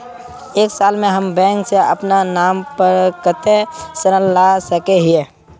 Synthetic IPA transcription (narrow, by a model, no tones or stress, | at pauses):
eːksaːlmẽɦəmbɛ̃ːŋkseə̰pnanaːmpəɾkət̪ʰesənəlːasəkeɦie